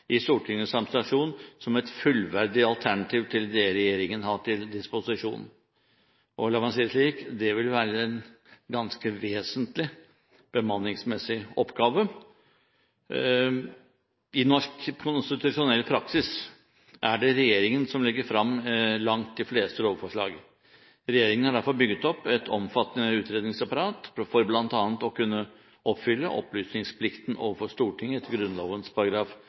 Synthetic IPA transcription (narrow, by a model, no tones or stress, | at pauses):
ɪst̪uːʈʰɪŋːəsɑmst̪ɑʂuːnsɔmɛt̪fʉlʋæɾɖɪɑlt̪ʰæɳɑt̪ʰiːʋt̪ʰɪld̪ɛɾɛjeːɾɪŋənhɑʈʰɪld̪ɪspʊsɪʂṵːn̩ | ʔɔlɑʋɑnsiːsliːkd̪ɛʋɪlʋæːɾəɛn | ɡɑnskəʋeːsənt̪lɪ | b̥əmɑnːɪŋsmɛsːɪɔpːɡɑːʋə | ɪnɔʂkkʰʊnst̪ɪt̪ʉʂʊnɛlːpʰɾɑksɪs | ʔæɖɛɾɛjeːɾɪŋənsɔmlɪɡːəɾfɾɑmːlɑŋt̪̚d̪ɪfleːst̪əloːʋəfɔʂɭɑ̰ːɡ | ɾɛjeːɾɪŋən̩hɑɖæɾfɔɾbʏɡət̪ɔpːɛt̪ʰɔmfɑt̪ːənəʉːt̪ʰɾeːd̪nɪŋsɑpɑɾɑːt̪fɔɾblɑnt̪ɑːnt̪ɔkʉnːə | ɔpːfʏlːəʔɔ̰plyːsnɪŋspʰlɪkt̪ənʔo̰ːʋəfɔʂt̪uːʈʰɪŋːəɛt̪ʰɡɾʉnloːʋənspʰɑɾɑɡɾɑːf